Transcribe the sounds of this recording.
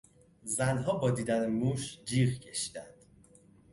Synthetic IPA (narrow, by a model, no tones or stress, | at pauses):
zænɦɒːbɒːd̪iːd̪ænemuːʃd͡ʒiːɣcʰeʃi̥ːd̪ænd̪̥